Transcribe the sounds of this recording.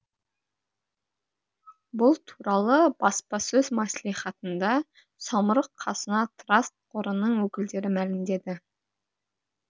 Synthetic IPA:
bʊlˠt̪ʰuɾɑlˠəbɑspɑsɵzmɑslˠiχɑt̪ənd̪ɑ | sɑməɾəqʰːɑsənɑt̪ʰrast̪̚qʊɾənəɴwɵkʲɪld̪e̞ɾɪmælɪmd̪e̞d̪ɪ

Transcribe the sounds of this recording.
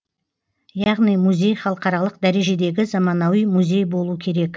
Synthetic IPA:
jɑʁnijmuzʲe̞jχɑlˠəqɑɾɑlˠəq̚d̪æɾe̞ʒe̞d̪e̞ɡʲɪzɑmɑnɑwijmuzʲe̞jbo̞lˠuəkʲʰe̞ɾe̞k

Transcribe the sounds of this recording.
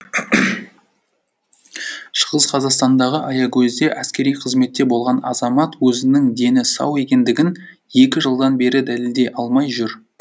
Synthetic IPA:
ʃəʁəzqʰɑzɑqst̪ɑnd̪ɑʁəʔɑjɑkʲʰɵzd̪e̞ʔæskʲe̞ɾijqʰəzme̞t̪ːe̞bo̞lˠʁɑnɑ̰zɑmɑt̪wɵzɪnɪŋd̪e̞nɪsɑ̰we̞kʲe̞nd̪ɪɡʲɪn | je̞kʲɪʒəlˠd̪ɑnbe̞ɾɪd̪æleld̪e̞ʔɑlˠmɑjʒʏɾ

